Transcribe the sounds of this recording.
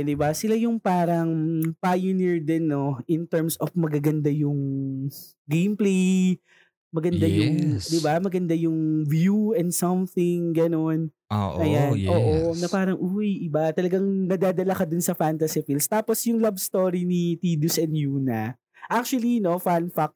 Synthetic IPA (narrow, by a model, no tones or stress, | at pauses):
d̪ɪbasɪlajʊŋpaːɾɐŋpajʊniɹd̪ɛnːo̞ʔɪnt̪ɛɹmsofmɐɡaɡɐnd̪ajʊŋ | ɡejmplej | mɐɡɐnd̪ajʊŋd̪ɪbamɐɡɐnd̪ajʊŋvjuɛnd̪sɐmθɪŋɡɐno̞n | ʔʔɐjanʔoːʔonɐpaːɾɐŋʔujɪbat̪ɐlɐɡaŋnɐd̪aːd̪ɐlakɐd̪ʊnsɐfant̪ɐsifilst̪aːposjʊŋlɐbst̪oɾinit̪id̪usʔɛnjuːnɐ̰ | ʔak̚t͡ʃuwɐlino̞fanfak̚